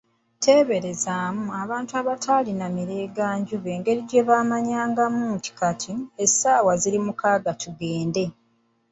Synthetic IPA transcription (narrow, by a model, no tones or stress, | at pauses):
tʰe̞ːβe̞ɾe̞zaːmuaβaːntuaβatʰaːlinamiɾe̞ːɡaːɲɟuβe̞ːŋɡe̞ɾiɟe̞βaːmaɲaːŋɡamuːnti̥katʰiesaːwaziɾimukaːɡatʰuɡe̞ːnde̞